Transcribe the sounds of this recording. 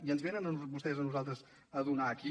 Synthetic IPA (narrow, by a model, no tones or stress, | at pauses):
iənzβenənəβust̪ɛzənuzalˠt̪ɾəz | əðunaəki